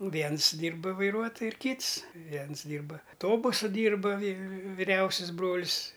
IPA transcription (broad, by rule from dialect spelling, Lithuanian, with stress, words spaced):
ˈʋʲiɛns ˈdʲiːrbɐ ʋɐɪˈruɔtoːjʊ ɪr ˈkʲiːts ˈʋʲiɛns ˈdʲiːrbɐ ˈtoːbʊsʊ ˈdʲiːrbɐ ʋʲɪ ʋʲɪˈrʲɛʊsʲɪs ˈbroːlʲsʲ